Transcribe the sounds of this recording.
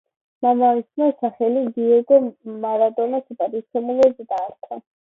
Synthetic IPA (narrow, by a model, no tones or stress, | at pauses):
mamavisnɔsaχɛliɡiɛɡɔmaɾad̪ʼɔnasɛpʼad̪it̪sʰɛmulɔzɛd̪aːɾt̪ʼa